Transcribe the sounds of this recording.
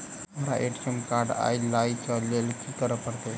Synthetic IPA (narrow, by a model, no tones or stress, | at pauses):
əɾa̰ʔeʈsəmkaɾɖa̰jlajt͡ʃəlːelkikəɾəpəɽt̪e